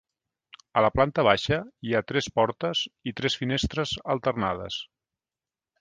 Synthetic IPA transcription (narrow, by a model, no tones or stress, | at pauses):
ələplant̪əβ̞aʃəiat̪ɾɛspɔɾt̪əzit̪ɾɛsfinest̪ɾəzəlˠt̪ərnaðə̰s